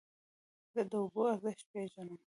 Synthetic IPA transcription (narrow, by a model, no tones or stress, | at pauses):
zəd̪əʊboaɾzɪʃt̪̚peʒanum